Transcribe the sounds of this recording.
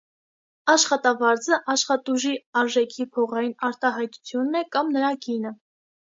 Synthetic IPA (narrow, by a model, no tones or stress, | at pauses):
ɑʃχɑt̪ɑvɑɾd͡zəʔɑʃχɑt̪uʒiɑɾʒɛkʰipʰɔʁɑjinɑɾt̪ɑɦɑjt̪u̥t͡sʰjunːɛkɑmnəɾɑɡinə